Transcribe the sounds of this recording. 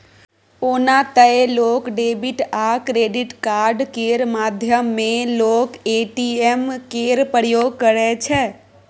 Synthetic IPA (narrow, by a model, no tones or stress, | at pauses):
onat̪əelokɖeːbiʈakɾeːɖiʈkaɾɖkeɾmad̪ʱjəmːẽloːkeʈiemkeɾpəɾjoːɡ̚kəɾɛt͡ʃʰɛ